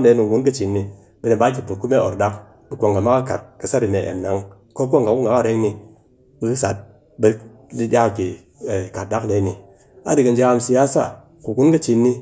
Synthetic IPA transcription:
de˧˦nu˧˨ɡu˦nkɐ˦t͡ʃi˨nːi˧ | be˧ne˨ba˦k̬ʲi˨pu˨t̚ku˦me˦˨o˨ɾda˦k | bi˦kʷo˨ŋɡa˨ma˦ka˦ka̰˨t̚ka˨sa˦ɾi˨ne˨ḛ˨mna˨˦ŋ | ko˦kʷo˦ŋka˨ku˦ŋɡa˨ka˦˨ɾe˦ŋni˧ | bi˧ku˦sa˨t̚ | be˧˦ | di˦dʲa˦ka˨ki˨ | e˨ka˨t̚da˦kde˨˦ni˨ | a̰˦di˨ka˨nd͡ʒa˦˧msi˧ja˦sa̰˦˨ | ku˨ɡu˦nkɐ˦t͡ʃi˧nːi˧

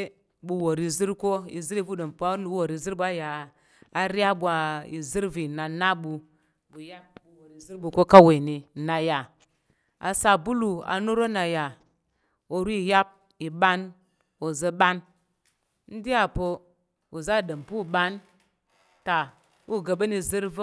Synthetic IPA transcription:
bu˨wo˨ɾi˨zi˦ɾko˦ḭ˨zi˦ɾi˦vu˦də˨mpu˦wo˨ɾi˨zi˦ɾbʷa˦jaː˨ | ɾi˦a˦ɓʷa˨ḭ˨zi˦ɾvi˨na˨na˦ɓu˧ | bu˨ja˦p̚bu˨wo˨ɾi˨zi˦bu˨ko˦ka˦we˨ni˨na˨ja˨ | a̰˨sa˨bu˦lu˨a̰˨nu˦ɾo˦na˨ja˨ | o˨ɾu˦i˨ja˦p̚ | i˨ɓa˦n | o˨zə˧ɓa˦n | n̩˦di˦a˨po˧ | u˨za˦˨də˨mpu˦˨ɓa˦n | ta˨ | u˦˨ɡə˨ɓə˦ni˧zi˦ɾv

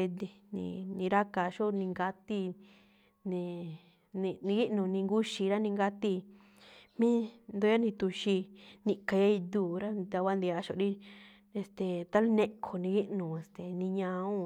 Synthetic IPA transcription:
e˧d̪i˧nḭ̃˧nĩ˧ɾa˦ka˧ʃo˦nĩ˧ŋɡa˧t̪i˧ | nĩ˧ | nĩ˧nĩ˧ɡi˦ʔnũ˨nĩ˧ŋɡu˦ʃi˧ɾa˦nĩ˧ŋɡa˧t̪i˧ | mĩ˦nd̪o˧˦a˦nĩ˧t̪u˧ʃi˧nĩ˧ka˧ja˦i˧d̪uː˦˨ɾa˦d̪a˧kʷa˦nd̪i˧a˧˦ʃo˨˧ɾi˦ | e˧st̪e˨t̪a˦lu˦nẽ˧kʰo˧nĩ˧ɣi˦ʔnũ˨e˨st̪e˨nĩ˧ɲã˧ũ˦

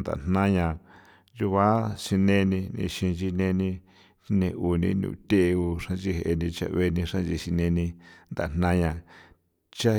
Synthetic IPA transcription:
nd̪a̰˨n̥nã˦ɲã˧˨ | ju˧βa˦ʃi˧nẽ˧nĩ˧nḭ̃˧ʃĩ˧nt͡ʃi˧nẽ˧nĩ˧˦ | nẽ˧ʔu˨nĩ˦nṵ̃˧˨t̪ʲe˦ʔu˧ʂã˦nt͡ʃi˦˧he˧˨e˧nĩ˧t͡ʃa̰˧βe˧nĩ˧ʂã˦n˦t͡ʃi˧˨ʃi˧nẽ˧nĩ˧nd̪a˨n̥nã˦ɲã˧ | t͡ʃa˦

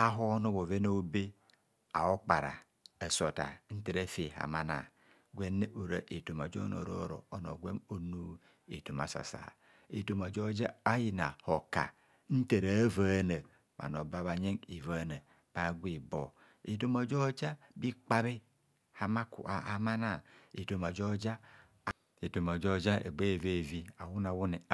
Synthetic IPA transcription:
a˦ɦo˦no˦βo˨ve˦no˦be˦ | a̰˨o˦k͡pa˨ɾa̰˨ | e˨so˨ta̰˨n̩˦te˨ɾe˦fe˨ha̰˨ma˦na̰˨ | ɡʷe˦ne˦ʔo˨ɾa̰˨ʔe˨to˨ma˨d͡ʒo̰˦no̰˨ɾo˦ɾo̰˨o˦no̰˨ɡʷe˦mo˨nu˦ | ḛ˨to˨ma̰˨sa̰˨sa̰˨ | e˨to˨ma˨d͡ʒo˦d͡ʒa˦a˦ji˦na˨ho˨ka̰˨ | n̩˦te˨ɾa˨˦va˨˦˨ne˨ | ma̰˨no˨ba˦βa˨ɲe˦ŋi˨va˨˦na˨ | pa˨ɡʷi˨bo˨ | e˨to˦ma˨d͡ʒo˦d͡ʒa˦bi˦k͡pa˦βe˦ | ha˨ma˦kṵ˨a˨a˨ma˦na˦˨i˨to˨ma˨d͡ʒo˦d͡ʒa˦ | e˨to˨ma˨d͡ʒo˦d͡ʒa˦ḛ˨ɡ͡be˦˨ve˦˨vi˦a˨wu˦na˨wu˦ne˨˦

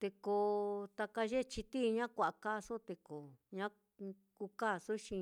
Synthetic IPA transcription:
t̪e˧ko˧t̪a˧ka˧ʒe˦˧t͡ʃi˧t̪i˦˧ɲã˦kʷa˧˨ʔka˦˧so˦t̪e˧ko˨ɲã˦ | ku˧ka˦˨su˦ʃĩ˧

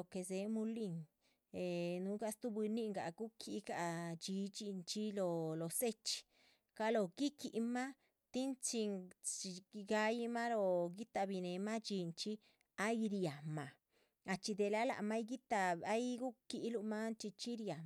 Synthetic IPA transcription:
o˨ke˧˨ze˨˦mu˧li˧ŋ | e˨nu˧˦ɡa˧st̪u˦bi˧nːi˦˧ŋɡa̰˨ɡu˦kʰi˧ɡa˧˨d͡ʒi˧˦t͡ʃi˧nt͡ʃi˦lo˧lo˨se˦t͡ʃi̥˧ | ka˧lo˧˨ɡi˦ki˨ʔma˦ | t̪i˦nt͡ʃi˧i˧ɡa˧ji˦ma˦lo˧ɡi˦t̪a˧bi˧ne˨ma˦t͡ʃi˧nt͡ʃi˦ | a˦jɾja˨ma˨ | a˧t͡ʃi˧d̪e˧la˦la̰˨ma˦jɡi˦t̪a˧a˦jɡu˦ki˧ʔlu˧ma˦nt͡ʃi˧t͡ʃi˦ɾja˨

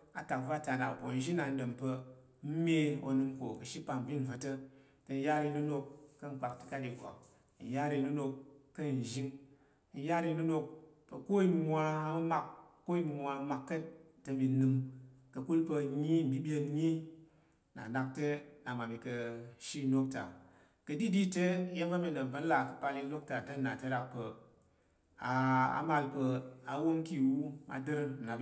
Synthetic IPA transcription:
a˨ta˨kva˦ta˨na̰˨po˨n˦ʒi˦na˨n̩˦də˨mpə˧˦ | me˦o̰˧nɨ˧mko̰˨kə˨ʃi˦pa˧m˨bʲi˦n˨va˧tə˦ | tə˧n̩˦ja˦ɾi˧˦nu˦no˧kːə˦ŋ̩˨k͡pa˨ktɨ̥˦ka˦di˨ɡʷa̰˨ | n̩˨ja˦ɾi˧˦nu˦no˧kːə˦˨n˨ʒi˦ŋ | n̩˦ja˦ɾi˧nu˦no˧k̚pə˨ko˦i˦mi˧mʷa˧mɐ˦ma˦k̚kːo˦i˦mi˧mʷa˧˦ma˧kːə˦t | tːə˧bi˧nɨ˧mkə˧ku˦lpə˧˦ɲi˦m̩˨bi˦ɓʲe˧nɲi˦ | na̰˨na˧k̚te˦na˨ma˨bi˧kə˧ʃi˦no˦k̚ta̰˨ | kə˧di˦di˦te˦je˦m˦ka˦mi˧ɗə˨m̩˨pə˨˦n̩˦la˨kə̥˨pa˧li˧˦lo˦k̚ta˨tə˦na˨tə˦ɾa˧k̚pə˨ | a˨a̰˨ma˧lpə˧a˨wo˦ŋki˦˨wu˦ma̰˨dɨ˦ɾna˨

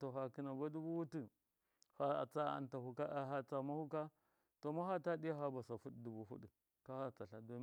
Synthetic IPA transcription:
to˨xa˨ki˦na˨ba˦du˦bu˦wu˦tu˨ | ha˨a̰˨t͡sa˦a̰˨nta˨hu˨ka˦ʔa˨ɦa˨t͡sa˨ma˦hu˦ka˦ | to˨ma˦ha˦ta˦ɗi˦ja˦ɦa˦ba˨sa˨fu˦ɗdu˨bu˨fṵ˦ɗi˨ | ka˦ha˦t͡sa˨ɬa˨do˦

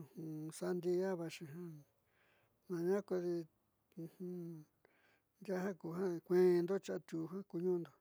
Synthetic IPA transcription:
hũ˧sa˧˦nd̪i˦˧a˦βa˧ʃĩ˧ɦã˦ | nã˧ɲã˦ko˧ði˧ | hũ˧ | nd̪ʲa˦ɦã˦ku˨˧ɦã˦˧kʷẽ˦˧nd̪o˦t͡ʃa˧ʔt̪ʲu˨ɦã˦ku˧ɲũ˦nd̪o˨

